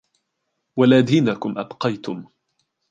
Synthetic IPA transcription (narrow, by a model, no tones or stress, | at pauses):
walaːd̪iːnakʊmʔabqɑjt̪ʊm